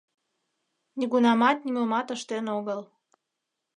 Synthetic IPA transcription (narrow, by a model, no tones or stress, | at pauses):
nʲiɣunɑmɑt̪̚nimomɑt̪əʃt̪enoɣəl